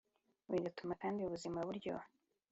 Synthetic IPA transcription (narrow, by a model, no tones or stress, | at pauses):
wiɡatumakaːndiuβuzimaβuɾɟo̰